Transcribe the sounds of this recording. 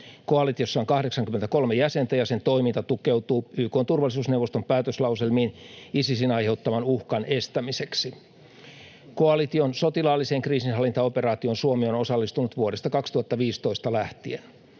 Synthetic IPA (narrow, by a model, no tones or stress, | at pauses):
koɑlit̪iosːɑoŋkɑhdeksɑŋkyment̪æko̞lmejæse̞nt̪æjɑse̞nt̪o̞imint̪ɑt̪ukewt̪uːyːkoːnt̪urʋɑlːˑis̬uːsnewʋːost̪ompæːt̪øslɑwselmiːnisisinɑjhe̞uwt̪ːɑʋɑnuhkɑne̞st̪æmiseksi | ko̞ɑlit̪io̞nso̞t̪ilɑːlːiseːŋkriːsinɦɑlːˑint̪ɑoperɑːt̪io̞nsuomiono̞sɑlːist̪unut̪ʋuoɾest̪ɑkɑkst̪uhɑt̪ːɑʋiːst̪o̞ist̪ɑlæht̪ien